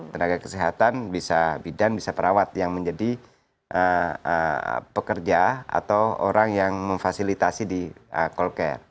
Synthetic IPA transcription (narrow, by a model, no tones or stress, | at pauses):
t̪ənaɡakə̥siɦat̪anbisabidanbisapəɾawat̪̚jaŋməɲd͡ʒadi | ʔəə̰pəkərd͡ʒaa̰t̪awo̰ɾaŋjaŋməɱfasilit̪asidiəkɔlkɛ̰r